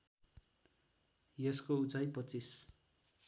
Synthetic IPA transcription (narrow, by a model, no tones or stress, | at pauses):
jʌskout͡sajpʌt͡sis